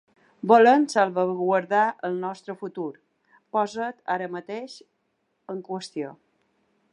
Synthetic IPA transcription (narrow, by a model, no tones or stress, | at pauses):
bolənsalˠβəɣwəɾðaəlˠnɔst̪ɾəfut̪uɾ | pɔzət̪aɾəmət̪eʃ | əŋkwəst̪io